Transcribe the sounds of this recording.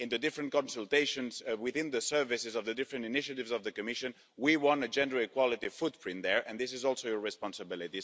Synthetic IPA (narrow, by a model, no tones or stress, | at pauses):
ɪ̃nðədɪfɹə̃nkɔ̃nsɨlˠteɪʃə̃nzwɪθɪ̃nðəsɜ˞vɪsɪzʌvðədɪfɹɨ̃ntɪnɪʃɨtɪvzʌvðəkɨmɪʃɨ̃n | wiwɑ̃nɨd͡ʒɛ̃ndəɪkwɑlˠɪtifʊt̚pʰɹɪ̃nðəɹʔɨ̃nðɪs̬ɪzɔlˠsoʊjə˞ɹɪspɑ̃nsəbɪlˠɪti